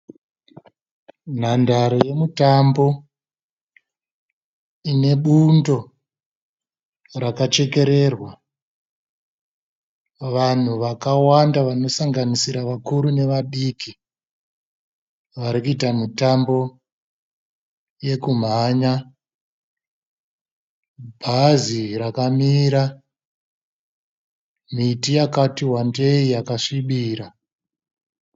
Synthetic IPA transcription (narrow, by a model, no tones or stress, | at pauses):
n̤andaɾoje̞mutambo̞ | ine̞ɓundo̞ | rakat͡ʃe̞ke̞ɾe̞rwa | ʋan̤uʋakawandaʋano̞saŋɡanisiɾaʋakuɾune̞ʋaɗiki | ʋaɾikuitamutambo̞ | je̞kum̤aɲa | bʱazirakamiːɾa | m̤itijakatiɦwande̞ijakaʂiɓiːɾa